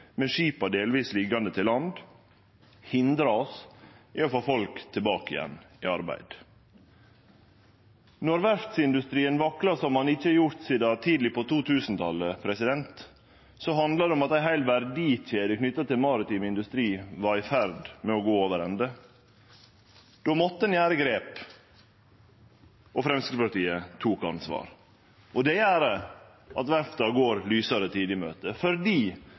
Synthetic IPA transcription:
mɛʂiːpɑd̪eːlʋiːslɪɡɑnd̪ət̪ʰɪlːɑnd̪ | hɪnd̪ɾɑɔsʔiɔfoːfɔlkt̪ʰɪlbɑːkɪ̰jɛ̰nː | ɪːɑɾbæ̰ɪd̪̥ | nɔɾʋæɾft̪sɪnd̪ʉst̪ɾiːənʋɑkɾɑsɔmhɑnɪçːəɑɾjʊɾt̪siːd̪ɑt̪ʰiːd̪l̩ɪpʰɔt̪ʰuːt̪ʰʉːsnt̪ʰɑlːəpʰɾɛsɪd̪ɛnt̪ | sɔɦɑnd̪lɑd̪ɛɔmɑt̪æɪɦæɪlʋæɾɖ̪ɪc͡çeːd̪əkʰnʏt̪ːɑt̪ʰɪlmɑːɾɪt̪iːmɪnd̪ʉst̪ɾiːʋɑɾɪfæɾd̪mɛɔɡoːoːʋəɾɛnd̪ə | d̪̥oːmɔt̪ːəɛnjæːɾəɡɾeːp | ɔfɾɛmskəəpɑɾʈ̪iːət̪ʰuːkɑ̰nsʋɑ̰ːɾ | ɔd̪ɛæːɾə | ʔɑt̪ʋæɾft̪ɑɡoːɾlyːsɑɾət̪ʰiːd̪lɪmø̰ːt̪əfɔɾd̪iː

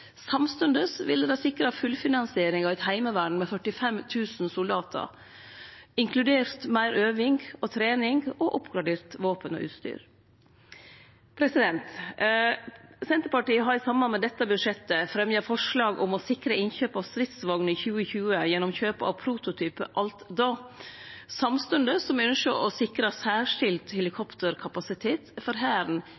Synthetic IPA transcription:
sɑmst̪ʉnd̪əsʋɪ̰lːəd̪æsɪkɾɑfʉlfɪnɑnsɪeːɾɪŋɑʋɛt̪hæɪməʋæɖɳ̩mɛfœʈɪfɛmt̪ʰʉːsn̩sʊlɑːt̪ʰə̰ɾ | ɪŋkʰlʉd̪eːɾt̪mæɪɾʔøːʋɪŋɡot̪ʰɾeːnɪŋɡoʔʊpɡɾɑɖeːɾt̪ʋoːpənɔ̰ʔʉ̰ːt̪st̪y̰ːɾ | pʰɾɛsɪd̪ɛnt̪ | sɛnt̪əɾpɑʈiːəɦɑɾɪsɑmːɑnmɛd̪ɛt̪ːəbʉd̪ʂɛt̪ːəfɾɛmjəfɔʂlɑːɡʔɔmɔsɪkɾəɪnçøːpɑʋst̪ɾɪt̪sʋɑɡnəɪçʉːəçʉːəjɛnːɔmçøːpəɑ̰ʋpʰɾuːt̪ʊt̪ʰyːpə̰ʔɑlt̪d̪oː | sɑmst̪ʉnd̪əsɔmʉnʃəʔɔsɪkɾɑsæːʂɪlt̪hɛlɪkʰɔpt̪əɾkʰɑpɑsɪt̪ʰeːt̪fɔɾɦæːɾn

